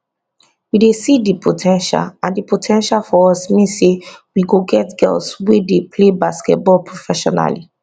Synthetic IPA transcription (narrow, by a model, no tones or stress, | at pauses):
widesidipʰotʰɛ̃nʃa̰lãndipotʰɛ̃nʃalfɔɔsmĩnsewiɡoɡɛtɡɛ̰lswedepʰlebaskɛ̰t̚bɔlpʰɹofɛʃɔ̰na̰li